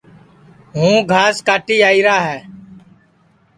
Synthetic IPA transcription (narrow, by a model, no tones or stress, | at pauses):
ɦũːɡʱaːskaːʈiːaːiːɾaːɦɛː